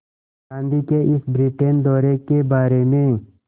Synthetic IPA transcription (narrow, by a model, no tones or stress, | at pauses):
kãːnd̪ikeɪsbɾiːʈeːnd̪ɔːɾekebaːɾemẽ